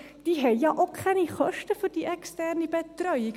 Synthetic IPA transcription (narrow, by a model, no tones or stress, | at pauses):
d̥iɦɛjɑːʔokʰχɛniχœʃtəfyrdiʔɛkstærnibɛt̚drœji